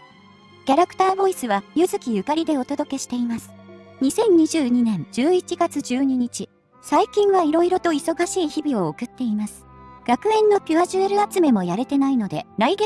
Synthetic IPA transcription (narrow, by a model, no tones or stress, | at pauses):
kʲaɾakɯ̟̥t̪aːbo̞isɨβajɯ̟zɨkʲijɯ̟kaɾʲid̪e̞o̞t̪o̞d̪o̞ke̞ɕi̥t̪e̞imasɨ̥ɲ̟isẽ̞ɲ̟ɲiʑɨːɲ̟inẽ̞ɲd͡ʑɨːit͡ɕiɡat͡sɨd͡ʑɨːɲ̟iɲ̟it͡ɕi | saikʲĩɰ̃βaiɾo̞iɾo̞t̪o̞iso̞ɡaɕiːçibʲio̞ːkɯ̟t̪ːe̞imasɨ̥ɡ̥akɯ̟ẽ̞nːo̞pʲiβaʑɨeɾɯ̟at͡sɨme̞mo̞jaɾet̪e̞naino̞d̪e̞̰ɾaiɡe